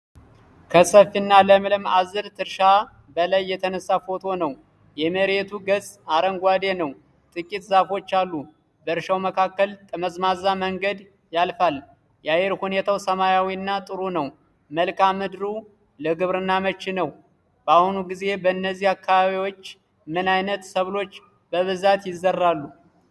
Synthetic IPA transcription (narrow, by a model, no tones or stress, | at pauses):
kʰəsəfːinːaləmlɨmazːɨɾt̪ʰɨɾʃa | bəlajːɛt̪ʰənəsːafo̞t̪ʰo̞nəw | jɛməɾet̪ʰuɡəzʼaɾəŋɡʷwad̪e̞nəw | t̪ʼɨkʼit̪zafo̞t͡ʃːalːu | bəɨɾʃawməkʰakːəlt̪ʼəməzmazaməŋɡəd̪ | jalfal | jajɛɾhune̞t̪ʰawsəmajawiɨnːat̪ʼɨɾunəw | məlkʰamɨd̪ɾu | ləɡɨβɾɨnːamət͡ʃːinəw | b̥əahunuɡize̞bəɨnːəzːihakʰːaβaβiwo̞t͡ʃː | mɨnajnət̪səβlo̞t͡ʃː | b̥əβɨzat̪jɪzːərːalːu